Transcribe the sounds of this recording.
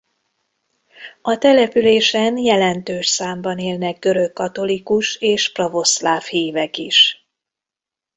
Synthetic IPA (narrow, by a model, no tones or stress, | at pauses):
ɒt̪ɛlɛpyleːʃɛnjɛlɛnt̪øːʃsaːmbɒneːlnɛɡ̚ɡø̞ɾø̞kːɒt̪o̞likuʃeːʃprovo̞slaːfhiːvɛkiʃ